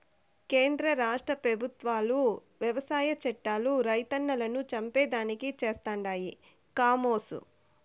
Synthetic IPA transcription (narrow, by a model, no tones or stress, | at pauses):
keːnd̪ɾɐɾaːʂʈɾɐpɾɐbʱut̪ʋaːlu | ʋjɐʋɐsaːjɐt͡ʃɛʈːaːluɾɐjt̪ɐnːɐlɐnut͡ʃɐmpɛːd̪aːnikit͡ʃe̞ːst̪aːɳɖaːji | kaːmoːsṵ